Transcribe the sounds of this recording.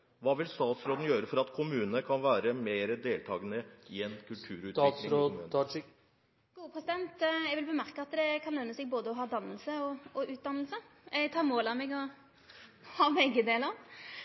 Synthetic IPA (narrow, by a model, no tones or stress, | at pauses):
ʋɑːʋɪlst̪ɑːt̪sɾoːd̪n̩jøːɾəfɔɾɑt̪kʰʊmʉːnəkʰɑnʋæːɾəmeːɾəd̪eːlt̪ʰɑːɡənəɪɛnkʰʉlt̪ʰʉːɾʉːt̪ːɾomː | ɡ̥uːəpʰʁɛsɪd̪ɛnt̪jɛɡʋɪlbəmæʁkəɑt̪d̪ɛkʰɑnœnːəsɛːɡ̚boːd̪əɔɦɑːd̪ɑnːəlsəɔɔʉːt̪̚d̪ɑnːəl̩səɛɡt̪ʰɑːmoːlɑmeːɡɔ | hɑːmɛɡəd̪eːləʁ